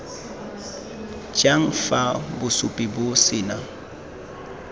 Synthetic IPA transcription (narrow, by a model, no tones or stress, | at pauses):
d͡ʒaŋ̩fabʊsʊpʼɪbʊsɪna